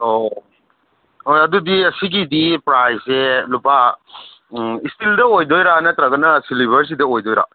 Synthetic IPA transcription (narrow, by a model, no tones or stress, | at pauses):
o | ojɐdudiɐsiɡidipɾajsselupa | istildɐojdojɾanɐtɾɐɡɐnɐsiliβʱɐɾs̬idɐojdojɾa̰